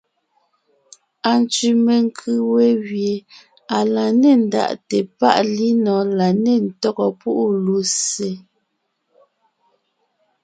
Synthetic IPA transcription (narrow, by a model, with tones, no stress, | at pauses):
a˨n˨t͡ʃi˨me˨ŋ̩˦kʰɯ˦we˦ɣje˨ | a˨la˨ne˨n̩˨da̰˨ʔte˨pa̰˦ʔli˦nɔ˨˦la˨ne˦˨n̩˨tɔ˦ɣɔ˨pu˦ʔu˦lu˨˦se˨˦